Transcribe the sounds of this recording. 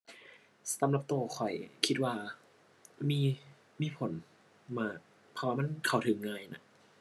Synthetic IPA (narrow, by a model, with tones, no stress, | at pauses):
ssa˨˦mla˧˩p̚t̪uː˧˩kʰɔ˨˩jkʰi˦˥t̪̚waː˧˩ | miː˧ | miː˧˥˨pʰo˨˩˦n | maː˧˩ | pʰɔ˧waː˧ma˧˥˨nkʰa˨˧˩wt̪ʰɯ˨˩˦ŋːaː˧˩jna˧˩ʔ